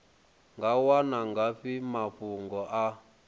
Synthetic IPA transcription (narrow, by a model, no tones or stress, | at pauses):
ŋɡawanaŋɡaɸimaɸuŋɡɔʔa